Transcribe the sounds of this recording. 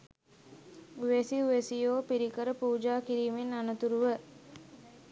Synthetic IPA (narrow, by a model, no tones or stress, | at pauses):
uʋesiuʋesijoːpiɾikəɾəpuːd͡ʒaːkiɾiːmenanət̪uɾuʋə